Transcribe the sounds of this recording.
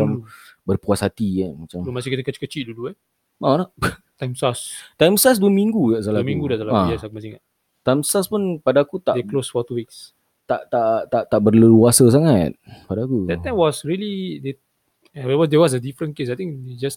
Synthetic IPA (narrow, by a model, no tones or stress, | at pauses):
ambərpuasɦat̪iamat͡ʃamlomasikit̪əkət͡ʃi̥kət͡ʃiʔduluɛ | mala | t̪ãjmsast̪ajmsas̬duəmĩŋɡukaʔsalaəmĩŋɡudasalaajasakumasiŋa̰t̪ | t̪ajmsaspʊnpadaːkut̪aʔdɛklosfɔt̪uwiks | t̪aʔt̪aʔt̪aʔt̪aʔbərləluasəs̬aŋat̪̚padaakudɛtt̪ːãjmwɔsɹilide | wɛwɔsdɛwɔs̬ədifɾə̃nkesajt̪ĩŋded͡ʒast̚